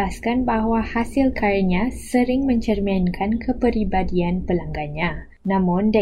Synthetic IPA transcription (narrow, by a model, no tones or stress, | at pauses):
askanbaɦwahasɪlkʰaɾəɲãsəɾɪŋmə̃ɲt͡ʃərmankʰankʰəpəɾibadianpəlaŋɡaɲã | nãmʊ̃nda